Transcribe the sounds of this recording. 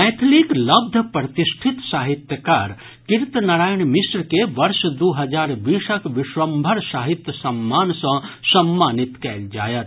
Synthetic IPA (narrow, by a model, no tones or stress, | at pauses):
ɛːt̪ʰliklɐb̚d̪ʱəpɾət̪ɪsʈʰɪt̪saːɦɪt̪jəkaːɾ | kɪɾt̪nɐɾaːjəɳ̃mɪsɾkeʋɐɾʃd̪oːɦɐd͡ʒaːɾʋiːʃəkʋɪʃʋɐmbʱəɾsaːɦɪt̪jəsɐmːaːnsɐ̃sɐmːaːnɪt̪kɛːld͡ʒa̰ːjət̪